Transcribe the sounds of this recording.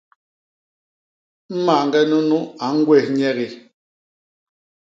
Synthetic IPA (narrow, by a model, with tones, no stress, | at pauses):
m̩˦ma˨ŋ˨ɡɛ˦nu˦nu˦a˨˦ŋ̩˦ɡwɛ˦˨hɲɛ˦ɣi˨